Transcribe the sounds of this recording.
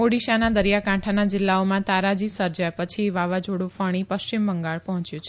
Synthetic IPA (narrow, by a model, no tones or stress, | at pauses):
oɽiʃanad̪əɾjakãʈʰanad͡ʒɪlːaomãt̪aɾad͡ʒisəɾd͡ʒajpət͡ʃʰiʋaʋad͡ʒoɽũfəɽ̃ipəʃt͡ʃimbəŋɡaɭpəɦɔ̃t͡ʃjũt͡ʃʰe